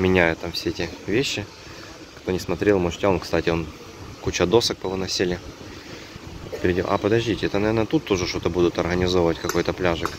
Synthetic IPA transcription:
mʲɪnʲæjʊt̪ːamfsʲeɛtʲɪvʲeɕːɪ | kt̪o̞nʲɪsmɐt̪ɾʲelˠmoʐtʲo̞nkst̪atʲɪo̞n | kut͡ɕəd̪o̞sɨk̚pəvɨnɐsʲilʲɪ | pʲɪɾʲɪdʲo̰ʔɐ̰pəd̪ɐʐdʲitʲɪɛt̪ənɐvʲernət̪ut̪ːoʐɨʂt̪o̞t̪əbud̪ʊt̪ɐrɣənʲɪzovəvətʲkɐko̞jt̪əplʲaʐɨk

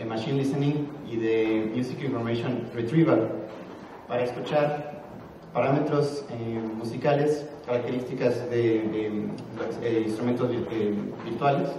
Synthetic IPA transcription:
emaʃĩnlisenĩŋiðemjusikĩɱfoɾmasjõnret̪ɾiβa | paɾaeskut͡ʃaɾ | paɾame̞t̪ɾo̞semusikale̞skaɾak̚t̪eɾist̪ikazðe | oseinst̪ɾument̪ozβiebiɾt̪wales

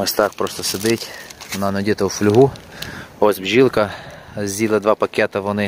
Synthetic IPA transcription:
mest̪ɑxpɾɔst̪ɔsed̪ɪtʲʋɔnɑnɔdʲit̪ɐwflʲʊɦu | ɔzʲbʒʲilˠkɐ | zʲzʲilˠɐd̪ʋɑpɐkʲɛt̪ɐʋɔnɪ

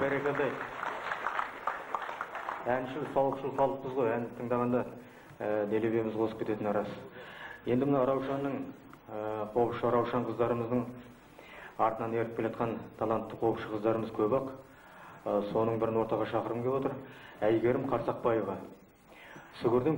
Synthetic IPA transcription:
bæɾekʲʰeld̪ɑj | ænʃɪlsɑwˠəqʃəlˠqʰɑlˠəq̚pəzʁojænt̪ʰəɴd̪ɑʁɑnd̪ɑ | əd̪elebe̞jmɪzqʰo̞səp̚kʰʲet̪e̞t̪ɪnɑɾɑsje̞nd̪ɪmənɑɾɑwʃɑnːəɴ | qʰo̞pʃəɾɑwʃɑɴqʰəzd̪ɑɾəməzd̪əɴ | ɑɾt̪ənɑne̞ɾɪpkʲelʒɑt̪̚qɑnt̪ʰɑlˠɑnt̪ːəqʰo̞wpʃəqʰəzd̪ɑɾəməzkʲʰɵbɑq | so̞nəɴbɪɾɪnwo̞ɾt̪ɑʁɑʃɑqəɾəmkʲʰepot̪əɾæjɡʲe̞ɾɪmqʰɑɾsɑq̚pɑjevɑ | sʏɡʲɪɾd̪eŋ

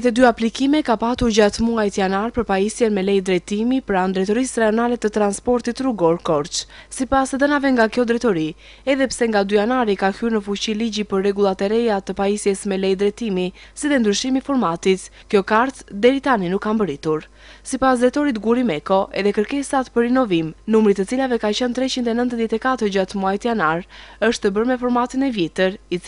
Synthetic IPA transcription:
ɛt̪ɛd̪yaplikimɛkapat̪uɾɟat̪muajt̪janaɾpəɾpaisjɛnmɛlɛjd̪ɾɛt̪imipɾand̪ɾɛt̪ɔɾisɾɛɔnalɛt̪ət̪ɾanspɔɾt̪it̪ruɡɔɾkɔɾt͡ʃsipasðənavɛŋɡakjɔd̪ɾɛt̪ɔɾi | ɛðɛpsɛŋɡad̪yjanaɾikahyɾnəfut͡ɕiliɟipəɾːɛɡulˠat̪ɛɾɛjat̪əpaisjɛsmɛlɛjd̪ɾɛt̪imi | siðɛnd̪ɾyʃimifɔɾmat̪it̪ | kjɔkaɾt̪d̪ɛɾit̪aninukːambəɾit̪uɾ | sipas̬d̪ɾɛt̪ɔɾit̪ɡuɾimɛkɔʔɛðɛkəɾkɛsat̪pəɾinɔvimnumɾit̪ət͡silavɛkat͡ɕənt̪ɾɛt͡ɕind̪ɛnənt̪ðjɛt̪ɛkat̪əɾd͡ʑat̪muajt̪ijanaɾəʃt̪əbəɾmɛfɔɾmat̪inɛvjɛt̪əɾit͡s

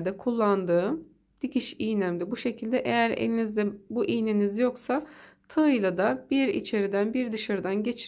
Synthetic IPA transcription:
d̪ɛkʰulˠːand̪ɯː | d̪̥icʰiʃijnæmd̪ʲibuʃe̞cʰilʲd̪ɛʔejæɾḛninizd̪ɛbuʔijnenizjo̞ksat̪ʰaɯjlˠad̪abiɾḭt͡ʃʰe̞ɾid̪ænbiɾd̪ɯʃaɾɯd̪anɟe̞t͡ʃʰ

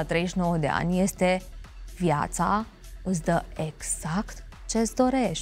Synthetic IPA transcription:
at̪ɾe̞jʃno̞wəd̪e̞̰a̰nʲje̞st̪e̞vja̰t̪sa | ɨs̬ʲd̪əeɡz̥akt̪ | t͡ʃe̞ɨsd̪o̞ɾe̞ʃ

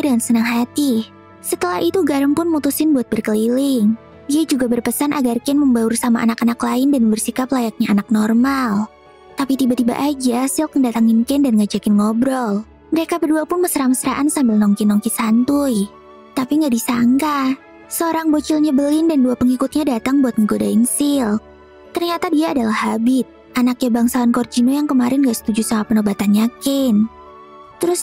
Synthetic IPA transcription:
dəŋansənaŋɦat̪i | sət̪əlahit̪uɡaɾəŋpʊnmut̪usɪnbuat̪̚bərkəlilɪŋ | diad͡ʒuɡabərpəsanʔaɡarkɛnməmbaʊrsamaʔa̰nakanaklaɪndanbərsikaplajak̚ɲaanak̚nɔrmal | t̪apit̪ibat̪iba̰ʔad͡ʒasɪlkəndat̪aŋɪnkɛndanŋad͡ʒakɪnŋɔbɾɔl | məɾekabəduapʊnməsəɾaməsəɾaʔansambɪlnɔŋkinɔŋkisant̪ʊj | t̪apiŋɡaʔdisaŋka | səoɾaŋbot͡ʃʊlɲabəlɪndanduapəŋikʊt̪̚ɲadat̪aŋbuat̪̚məɡodaiŋsɪl | t̪ərɲat̪adiaːdalahabɪt̪̚ | ʔanak̚ɲabaŋsawankɔrd͡ʒinojaŋkəmaɾɪnɡaʔsə̥t̪ud͡ʒusamapənobat̪anɲakɪn | t̪əɾʊs

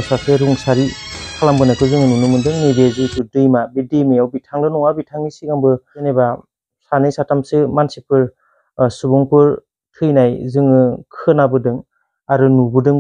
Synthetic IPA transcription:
sakʰeɾuŋsaɾikʰalambɯnajkʰɯzɯŋɯnunɯmɯndɯŋnibezɯdudɯjmabidɯmijawbitʰaŋdɯnuŋabitʰaŋisikambɯɯneba | sanɯjsatamsɯmansipʰɯɾ | subɔŋkɯɾ | tʰɯjnajzɯŋɯkʰɯnabɯdɯŋ | aɾɯnubɯdɯŋ

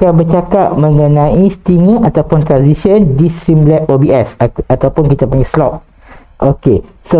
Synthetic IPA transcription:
kabət͡ʃakat̚mə̃ŋə̃nãist̪iŋəʔat̪awpʊnt̪ɾansisəndist̪ɾimlɛpobiɛsat̪awpʊnkit̪apaŋɡaslɔp̚ | ʔoke | so

